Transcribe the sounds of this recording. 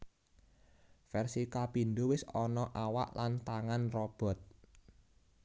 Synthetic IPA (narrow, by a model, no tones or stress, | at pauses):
fɛrsikapind̪uwɪsɔnɔʔawa̰ʔlant̪aŋanrɔb̥ɔ̤t̪̚